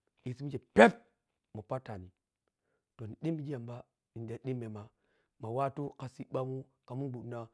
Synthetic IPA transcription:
i˨si˦mi˦d͡ʒe˨pe˦p̚ | mu˨pa˦ta˨ni˨ | to˨ni˨ɗi˦mːi˨d͡ʒi˦ja˨mba˦ | i˨nda˨ɗi˦mːe˨ma˨ | ma˨wa˦tu˦ka˨si˦ɓa˦mu˦ | ka˨mu˦bu˨˦na˦

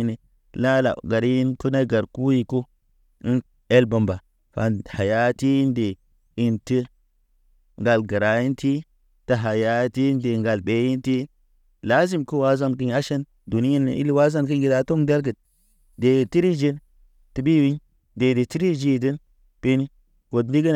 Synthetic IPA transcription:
ni˨ | la˦la̰˨ɡa˨ɾi˦ji˦nku˦na˦ɡa˨ɾku˦ji˨ko˦ | i˦n | e˦lba˨mba˨ | fa̰˨n˨ha˨ja˦ti˦i˦nde˨ | i˦˨nti˦ | ŋɡa˨lɡə˨ɾa˨ji˦nti˦ | ta˨ɦa˨ja˦ti˦nde˨ŋɡa˨lbe˨ji˦nti˦ | la˦zi˦mku˦wa˦za˦nki˦ɲa˦ʃe˦n | du˨ni˦ji˦n̰˨ḭ˦li˦wa˦za˦nki˦nɡi˨da˦to˦mda˦ɾɡə˨d̚ | de˨ti˦ɾi˦d͡ʒi˦n | ti˨bi˦wi˦ɲ | de˨di˨ti˦ɾi˦d͡ʒi˦˨di˦n | pi˦ni˦ | ko˨dli˦ɡə˦n˨

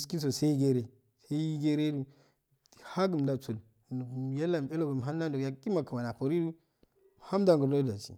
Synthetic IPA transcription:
ski˦s̬o˨se˦i˦ɡe˦ɾe˨ | se˦ji˦ɡe˦ɾe˦du˦˨ | ha˦ɡu˨m˨da˨t͡so˨ln˨ja˦lːa˨m˨e˦lo˦ba˨m˨ɦa˦nː˦a˦do˨ja˨ki˦ma˨kə˨ma˨na˨po˨ɾi˦du˦˨ | ha˦m˦da˨ŋɡu˨ɾno˦da˨t͡ʃḭ˨

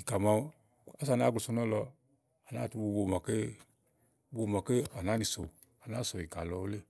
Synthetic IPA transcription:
i˨ka˨ma˧˦ | a˦s̬a˨na˦ɡlo˨so˧nɔ˦lɔ˧ | a˨naː˦˨tu˧˦bo˧˨bo˨ma˨ke˦ | bo˧˨ma˨ke˦a˨na˨˦ni˧so̰˨ | a˨na˦so˨i˨ka˨lɔ˧˦o˦le˦

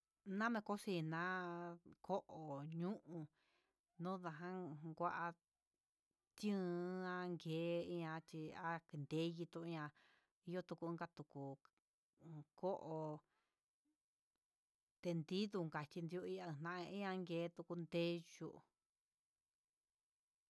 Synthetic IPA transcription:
nã˦mẽ˧ko˦si˧˨nã˦kʰo˦ʔo˨ɲũ˦ʔũ˧ | nũ˦ða˧ɦã˦ɡʷa˧ʔa˧ | t̪jɨ̃˦ã˧ŋɡeː˨˦i˧ã˧t͡ʃ̪i˧a˦ki˧nd̪e˦ji˧t̪ũ˧ɲã˧ | i˧jo˦t̪u˧kũ˧˦ɡa˦t̪u˨ku˨ | kʰo˦ʔo˧ | t̪e˧nd̪i˦ðu˧ŋɡa˨t͡ʃʲi˧nd̪i˧u˧i˦ã˧˨nã˧ʔĩ˦ã˧˦ŋɡeː˧˦t̪u˧ku˧nd̪e˦ju˧ʔ

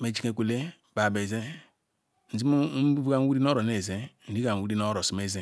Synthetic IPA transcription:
me˨d͡ʒi˦ke˨kʷu˨le˦˨ | ba˨be˨ze˦ | n̩˨zi˦m̩˦bu˦bu˦ɡa˦n˦wu˦ɾi˦n˦o˦ɾo˨ne˨ze˦n̩˨di˦ka˨n˨wu˦ɾi˦no˦ɾo˨si˨me˦ze˦

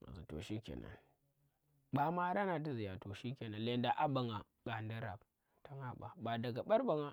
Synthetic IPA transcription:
a̰˨zi˨to̰˨ʃi˦kʲḛ˨na̰˦n | ba˦ma˦ɾa˦na˨ti˦zi˨ja˨to˨ʃi˦kʲeː˨na˦nle˦nda˨ʔa˦ba˨ŋa˨ | ɡ̥a˨ndi˦ɾa̰˨b | ta˦ŋa˦ɓa̰˨ba˨da˨ɡa˨ɓɐ˦ɾba˨ŋa˨

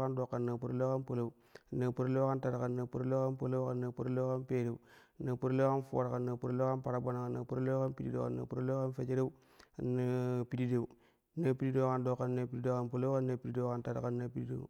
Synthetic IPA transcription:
a˦ndo˨kːa˨nːa˨pu˦ɾlo˦ka˦npo˨la˦u˦˨ | nːa˨pu˦ɾlo˦ka˦nta˨ɾa˨ka˨nːa˨pu˦ɾle˦ka˦npə˦lo˦wka˨nːa˨pu˦ɾle˦ka˦npe˦ɾe˨u˦˨ | na˨pu˦ɾle˦ka˦nfo̰˨ɾa˨ka˨nːa˨pu˦ɾle˦a˦pa˨ɾa˨ba˦na˨ka˨na˨pu˦ɾle˦ka˦npi˦di˦de˨ka̰˨nːa̰˨pu˦ɾle˦ka˦nfe˦t͡ʃe˦ɾe˦u˦˨ | na˦pi˨di˦de˦˨wu˨˦ | na˦pi˦di˦de˦ka˦ndo˦˨kːa˦na˨pi˦di˦de˦ka˦npu˦lo˦ka˦nːa˨pi˦di˦de˦wka˦nta˨da̰˨ka˦nːa˦pi˦di˦dḛ˨

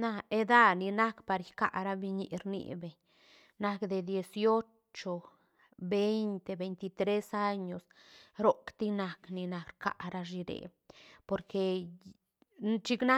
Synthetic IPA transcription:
na˧e˧d̪a˦ni˧na˦kpa˨˧ɾjka̰˧ʔɾa˦bi˧ɲḭ˧ɾnḭ˧be˨ɲ | na˧kd̪e˨d̪je˧sjo˦ | t͡ʃo˨ | be˦jnt̪e˧be˨jnt̪i˧t̪ɾe˦sa˦ɲo˨sɾo˨kt̪i˦na˨kni˧na˨˧kɾka̰˧ɾa˧ʐi˧ɾḛ˨po˧ɾke˧ | t͡ʃi˦˧kna˦

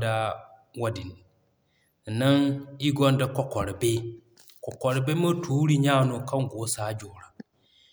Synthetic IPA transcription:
da˦ | wa˦di˨n˨ | na˦ŋi˦ɡɔ˦nda˦kɔ˦kɔ˨ɾi˨be˦ | kɔ˨kɔ˨ɾbe˦mɐ˦tʰuː˨˦ɾi˦ɲaː˦no˨ka˦ŋɡo˨˦saː˨˦d͡ʒoː˨ɾa˨

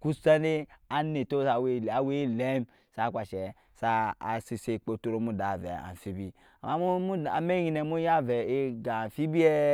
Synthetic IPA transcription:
ku˦sa˦de˦a˦ne˨to˦sa˨we˦la˨we˦le˦m | sa˦˨kʷa˨ʃɛ˨ | sa˧a̰˨si˧se˨k͡po˧to˧ɾo˦mu˦da˨vɛ̰˨a̰˨fi˦bi˧ | a˨ma˨˦mu˦u˦a̰˨me˦ji˧˨nɛ˨˦mu˦ja˦vɛ˨e˦ɡa˨fi˦bi˦ɛ˦

